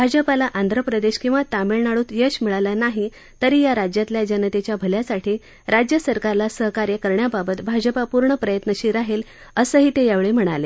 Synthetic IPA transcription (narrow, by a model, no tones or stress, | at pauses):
bʱad͡ʑəpalaʔand̪ʱɾəpɾəd̪eɕkĩw̃ʋat̪ameɭnaɭuːt̪jəɕmiɭalanaɦi | t̪əɾiːjaɾad͡ʑjat̪ljad͡ʑənət̪et͡ɕjabʱəljasaʈʰiː | ɾad͡ʑjəsəɾkaɾlasəɦəkaɾjəkəɾɳjababət̪bʱad͡ʑəpapuɾɳəpɾəjət̪nəɕiːɾaɦel | əsəɦiːt̪ejaʋɭem̤əɽ̃ale